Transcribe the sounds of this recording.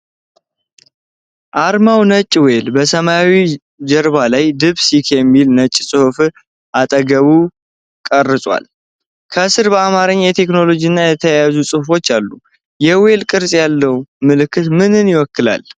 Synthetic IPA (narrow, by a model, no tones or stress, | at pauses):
ʔaɾmawnət͡ʃʼːwelbəsəmaawi | d͡ʒəɾβalajd̪ɨβsikʰjɛmːilnət͡ʃʼːsʼɨhuf | ʔat̪ʼəɡəβu | kʼərːɨsʼwa̰l | kʰəsɨɾbəamaɾɨɲːjɛt̪ʰe̞kno̞lo̞d͡ʒiɨnːajɛt̪ʰəjjazusʼɨhfo̞t͡ʃːalːu | jɛwe̞lkʼɨɾsʼjalːəwmɨlɨkʰːɨt̪mɨnɨnjɪwɔkːɨla̰l